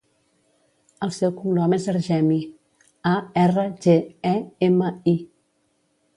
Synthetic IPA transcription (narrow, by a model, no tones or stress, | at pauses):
əlˠsɛwkuŋɡlɔmezəlʒɛmi | aɛrəʒeɛeməi